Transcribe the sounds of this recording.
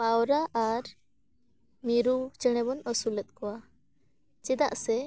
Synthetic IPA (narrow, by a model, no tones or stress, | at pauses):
pawɾaʔaɾ | miɾut͡ʃəɽ̃ɛbɔnɔsulət̪̚kɔwa | t͡ʃɛd̪a̰ʔsɛ